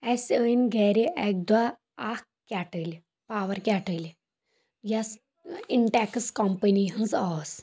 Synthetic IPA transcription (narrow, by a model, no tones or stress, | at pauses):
ɛsənɡʱɛɾiʔɛk̚d̪a | ah | kʲaʈəlʲ | paʋəɾkʲaʈəl | jas | iɳʈɛkskɔmpəniɦənzas